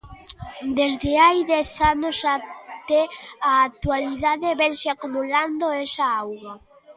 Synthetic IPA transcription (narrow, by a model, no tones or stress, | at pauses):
d̪ezðeajðɛθanosat̪ɛaːk̚t̪ualiðaðeβɛnseakumuland̪oɛsaawɣa